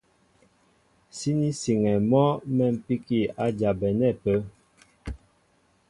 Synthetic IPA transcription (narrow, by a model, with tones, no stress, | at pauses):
si˦ni˦si˨ŋɛ˨mɔ˦mɛ˦˨m̩˨pi˦ki˦˨a˦d͡ʒa˨bɛ˨nɛ˦˨pə˦